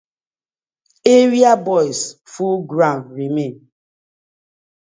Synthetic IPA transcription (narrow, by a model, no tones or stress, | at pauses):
eɾiabɔjsfulɡɾãnɾimen